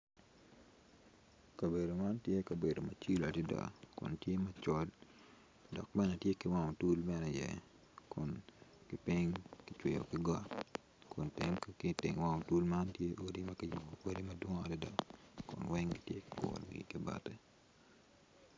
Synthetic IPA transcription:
kɐ˨be˨do˨ma˦ntje˦kɐ˨be˨do˨mɐ˨t͡ʃi˦la˨di˦da̰˨kʊ̰˨ntje˦mɐ˦t͡ʃɔ˦l | dɔ˨k̚bɛ˦nɛ˨tje˦kɪwa˦ŋɔ˨tu˦lbɛ˦nɛ˨jɛ̰˨ | kʊ˨nkɪ˦pi˦ŋkɪt͡ʃwe˨jo̰˨kɪ˦ɡa˦ | kʊ˨ntɪ˦mkkɪtɪ̰˨ŋwa˦ŋo˨tu˦lma˦ntje˦ʔo˦di˦mɐ˦kɪ˦jʊ˨ɡo˨ke˦di˦mɐdwɔ˦ŋ˦a˨di˦da̰˨kʊ̰˨nwɛ˦ŋɡi˦tje˦kɪkɔ̰˨lɡḭ˨kɪ˦ba̰˦tɛ˦

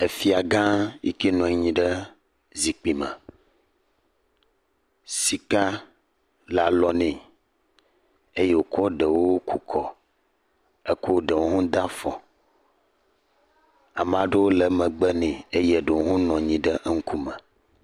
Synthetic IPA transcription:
e˨fi˨a˨ɡã˦jḭ˦ke˦nɔ̃˨˦ɲĩ˨ɖə˦ | zi˨k͡pi˨mə̰̃˨ | si˨ka˦ | la˨lɔ˨nɛ̃˨ | e˦je˨wo˨kɔ˦ɖə˨wo˦wku˨kʰɔ˨ | ə˦ko˦ɖə˨wo˦ɦũ˦d̪ã˦fɔ̃˨ | a˨m˨ã˨˦ɖə˦wo˦lə˨mə̃˨ɡ͡bə˦nɛ̃˨e˦je˦ɖə˨wo˦ɦũ˦nɔ̃˨ɲĩ˨ɖə˦ʔŋ̩˦ku˦mə̃˨

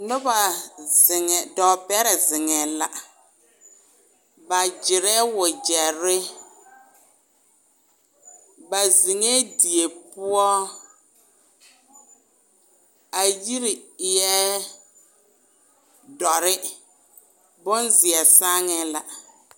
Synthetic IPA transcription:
nʊ˦ba˨zɪ˨ŋɛ˨dɔ˨bɛ˦ɾɛ˨zɪ˨ŋɛ˨la˨ | ba˨d͡ʒɪ˨ɾɛ˦wʊ˨d͡ʒɛ˨ɾɪ˦ | ba˨zi˨ŋe˦di˨e˨pʊ˦ɔ˦ | a˨ji˦ɾi˨jɛ˦ | dɔ˨ɾɪ˦ | bʊ˦nzɪ˨ɛ˨sa˦ŋɛ˦la˨

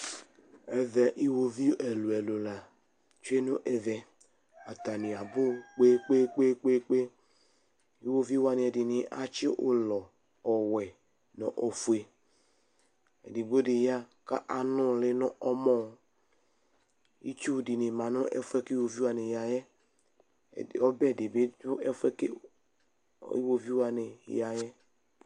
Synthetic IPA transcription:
ɛ˨vɛ˨ʔi˦wo˨vi˦ɛ˨lu˨ɛ˨lo˨la˨ | t͡ʃu˦e˦no˦ʔɛ˨vɛ˨ | a˨ta˨ni˨a˨bʊ˦k͡pe˦k͡pe˦k͡pe˦k͡pe˦k͡pe˦ | i˦wo˦vi˦wa˧ni˨ɛ˨di˨ni˨ʔa̰˦t͡ʃi˦ʔo˨lɔ˨ | ɔ˨wɛ˨ | nɔ˨ʔo˨fu˨e˨ | ɛ̰˨di˨ɡo˦di˨ja˦ka̰˦ʔa˨nu˦˨le˦nɔ˦ʔɔ˦mɔ˦˨ | ḭ˦t͡ʃu˦˨di˨ni˨ma˨nɔ˦ʔɛ̰˦fu˦ɛ˦ki˦wo˨vi˦a˧˨ne˨ja˨jɛ˦˨ | ɔ˦bɛ˦˨de˨be˦du˦ɛ˦fɛ˦ke˦ | ḭ˦wo˦vi˦wa˨˧nḛ˨ja˨jɛ˦

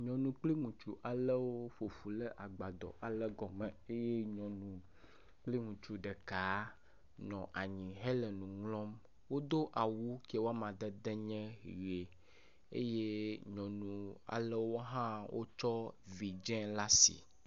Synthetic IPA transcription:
ɲɔ̃˨nũ˨k͡pli˦ŋũ˨t͡ʃu˨ʔa˨lɛ˦wo˦ɸo˨fu˨lɛ˦ʔa˨ɡ͡ba˨d̪ɔ̰˨ʔa˨lɛ˦ɡɔ˨mɛ˨e˦je˦ɲɔ̃˨nũ˨ | k͡pli˦ŋũ˨t͡ʃu˨ɖɛ˨ka˨˦ | nɔ̃˨ʔa˨ɲĩ˨ɦɛ˦lɛ˨nũ˨ŋlɔ̃˦m | wo˦d̪o˦ʔa˨wu˦kɛ˦wo˦a˦mã˨d̪ɛ˦d̪ɛ˦ɲɛ̃˦ɦi˨je˨ | ḛ˦je˦ɲɔ̃˨nũ˨a̰˨lɛ˦wo˦ɦã˦wʔo̰˦t͡ʃɔ˦vi˨d͡ʒɛ̃˦la˦sḭ˨

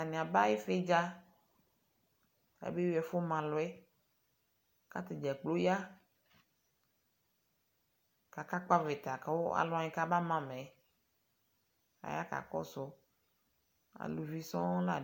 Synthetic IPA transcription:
a˨nĩ˨a˨ba˦je˦fe˦d͡ʒa˦ | a̰˨˦be˦wɛ˨fo˦mã˨lɔ˨˦ɛ˦ | ka˦t̪e˨d͡ʒɛ˨k͡plo˦ja˦ | ka˨ka˦k͡pa˦ve˨t̪a˨ka˨˦wo˦a̰˨lɔ˦a˨ɲĩ˨ka˦ba˦mã˦mẽ˨ | a̰˨ja̰˦ka̰˨kɔ̰˦sɔ˦ | a̰˨lu˨vi˨sɔ̃˦la̰˨

